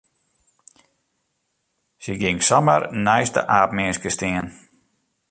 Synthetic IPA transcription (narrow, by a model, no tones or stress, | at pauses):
səɡɪŋksɔmərnɛjstə̰ʔaːpmɪskəstɪən